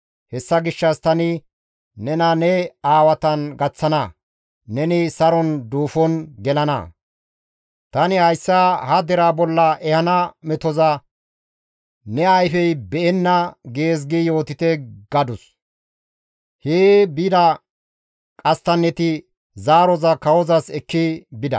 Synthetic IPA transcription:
hɛsːɐɡɪʃːɐst̪ɐnɪ | nɛnɐnɛaːwɐt̪ɐnɡɐt͡sːɐnɐ | nɛnɪsɐɾɔnd̪uːfɔnɡɛlɐnɐ̰ | t̪ɐnɪhɐjsːahɐd̪ɛɾaːbɔlːɐʔɛhɐnɐmɛt̪ɔzɐ | nɛɐjfɛjbɛʔɛnːɐɡeːz̬ɡɪjo̞ːt̪ɪt̪ɛɡ̥ɐd̪ʊs | heːbid̪ɐ | kʼɐst̪ɐnːɛt̪ɪ | zaːɾɔzɐkɐwɔzɐsɛkːɪbɪd̪ɐ̰

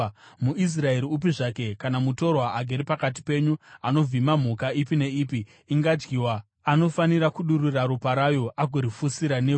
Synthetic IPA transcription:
muʔis̬rae̞ɾiup̬iʐake̞kanamuto̞rwaaɡʱeɾipakat̬i̥pe̞ɲuano̞b͡vimam̤ukaipine̞iːpi | iŋɡad͡ʒɡiːwa | ano̞faniɾakuɗuriraɾupaɾajo̞ʔaɡʱoɾifusiɾane

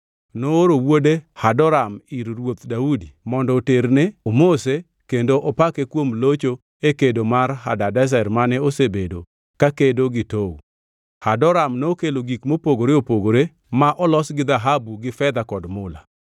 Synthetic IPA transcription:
nooɾowodehadɔɾamiɾɾwot̪daudimɔndɔːteɾneomose | kendoʔɔpakekwomlot͡ʃo | ekedomaɾɦa̰dadɛs̬ɛrmanɛosebedo̰ | kakedoɡɪtow | hadɔɾamnookeloɡikmopoɡoɾeopoɡoɾe | maʔɔlɔsɡɪd̪aɦabuɡɪfɛd̪akɔdmʊla̰

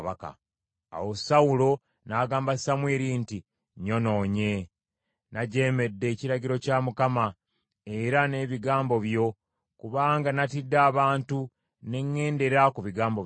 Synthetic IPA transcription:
aka̰ | a̰wosawulo̞ | naːɡaːmbasamweːɾinti | ɲo̞no̞ːɲe̞ | naɟe̞ːme̞dːe̞ːciɾaɟiɾo̞camukama | e̞ɾane̞ːβiɡaːmbo̞βjo̞ | kuβaːŋɡanatidːaːβaːntu | ne̞ŋːe̞ːnde̞ɾakuβiɡaːmbo

